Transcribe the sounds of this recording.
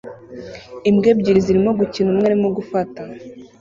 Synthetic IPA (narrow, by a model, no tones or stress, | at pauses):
imɡebɟiɾiziɾimo̞ɡucinumŋaɾimoɡufata